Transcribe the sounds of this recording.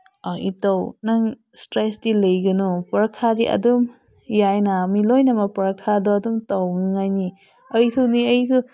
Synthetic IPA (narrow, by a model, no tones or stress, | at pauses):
aʔitawnaŋ | stɾesdilejɡɯnɔpɐɾakʰadiʔɐ̰dum | jajnamilojnɐmɐpɐɾakʰadɔːdumtawŋŋajni | ɐjtʰuniɐjsu